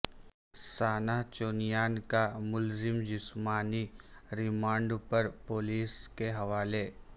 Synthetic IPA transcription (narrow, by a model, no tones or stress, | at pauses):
saːnaɦt͡ʃoːnijaːnkamʊlzɪmd͡ʒɪsmaːniɾɪmãːɳɖpɐɾpoːliːskeɦɐʋaːle